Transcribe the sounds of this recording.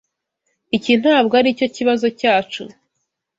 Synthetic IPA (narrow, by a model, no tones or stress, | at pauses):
icin̥haːβɡaɾico̞ciβazo̞caːt͡ʃu